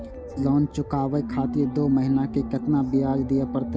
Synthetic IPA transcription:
lɔːnt͡ʃʊkaːʋekʰaːt̪ied̪oːməɦɪnakekət̪nabɪjaːd͡ʒd̪ijepəɾt̪

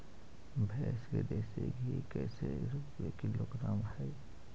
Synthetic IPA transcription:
bʱɛːsked̪eseɡʱikɛseɾupwekiloɡɾaːmhɛj

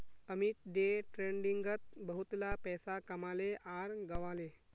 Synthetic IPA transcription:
əmit̪ɖeʈɾeɳɖiŋɡət̪̚bəɦut̪lapɛsakəmaleʔaɾɡəʋale

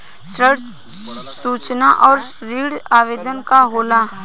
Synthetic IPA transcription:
sɾəɽ | suːt͡ʃnaʔɔːɾɾiːɽaːʋeːd̪ənkaɦoːlaː

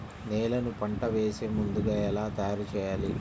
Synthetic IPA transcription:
neːlɐnupɐɳʈɐʋeːseːmund̪uɡaːɛlaːt̪ɐjaːɾut͡ʃɛːjaːli

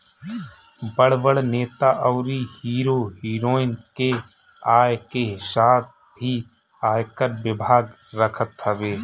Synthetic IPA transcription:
bəɽʋəɽneːt̪aʔəːɾihiːɾoːɦiːɾoːɪnke | aːjkeɦʃaːt̪̚ | bʱi | aːjkəɾʋɪbʱaːɡ | ɾəkʰət̪ɦəʋeː

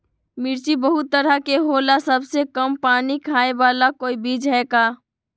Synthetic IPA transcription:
miɾt͡ʃibəɦut̪ːəɾəkeɦolasəbsekəmpaːnikʰaebalakoːibid͡ʒɦɛka

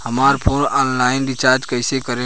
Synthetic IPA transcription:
həmaːɾpʰoːnaːnlaːɪnɖɪt͡ʃaːɾd͡ʒkəɪsekəɾe

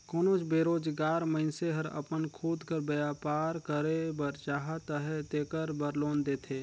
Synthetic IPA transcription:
koːnoːt͡ʃbeːɾoːd͡ʒɡaːɾməɪnseɦɐɾɐ̰pənkʰuːd̪kəɾbəjaːpaːɾkəɾebəɾt͡ʃaːɦət̪əɦet̪eːkəɾbəɾloːnd̪eːt̪ʰeː

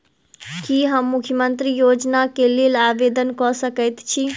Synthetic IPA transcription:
kiɦəmːukʰjəmənt̪ɾijod͡ʒnakelelabed̪ənkɔsəkəjt̪t͡ʃʰi

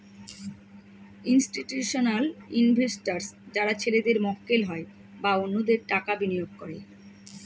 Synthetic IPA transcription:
insʈiʈjuʃonalinbʱesʈaɾsd͡ʑaɾat͡ɕʰeled̪eɾmɔkkelɦɔe | baonːod̪eɾʈakabinijoɡ̚koɾe

